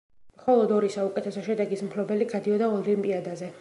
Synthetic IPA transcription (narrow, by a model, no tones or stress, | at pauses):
mχɔlˠɔd̪ɔɾisaukʼɛt̪ʰɛsɔʃɛd̪ɛɡismpʰlɔbɛliɡad̪iɔd̪aɔlimpʼiad̪azɛ